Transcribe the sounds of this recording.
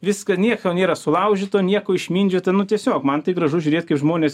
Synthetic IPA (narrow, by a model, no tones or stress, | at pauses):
ʋʲɪskɐnʲiɛkjoːnʲeːɾɐsʊlˠɐʊʒʲit̪oːnʲiɛkoːɪʃʲmʲiːnʲd͡ʒʲʊt̪ɐɪnʊt̪ʲiɛsʲoːkmɐnt̪ɐɪɡɾɐʒʊʒʲʊɾʲeːt̪̚ʲkɐɪpʒmoːnʲeːs